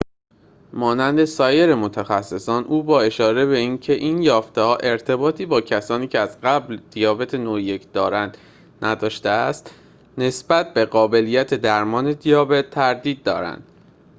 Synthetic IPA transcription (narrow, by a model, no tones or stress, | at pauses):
mɒːnænd̪e̞sɒːje̞ɾe̞mo̞t̪ʰæxæsːe̞sɒːnʔuːbɒːe̞ʃɒːɾe̞be̞iːncʰe̞ʔiːnjɒːft̪e̞hɒːʔe̞ɾt̪ʰe̞bɒːt̪ʰiːbɒːcʰæsɒːniːcʰe̞æzɢæbld̪̥ijɒːbe̞t̪ʰenoːje̞cʰd̪ɒːɾænd̪ | nʔæd̪ɒːʃt̪eæst̪ | ne̞sbæt̪̚be̞ɢɒːbe̞liːjæt̪ʰe̞d̪æɾmɒːne̞d̪ijɒːbe̞t̪ʰːæɾd̪iːd̪̚ːɒ̰ːɾæ̰nd̪̥